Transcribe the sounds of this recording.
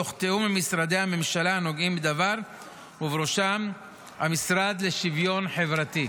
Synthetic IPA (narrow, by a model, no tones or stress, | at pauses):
oχt̪eumemisɾad̪ehame̞mʃalano̞ɡimbed̪avaʁ | uvɾoʃam | ha̰misɾad̪leʃivjo̞nħe̞vɾat̪i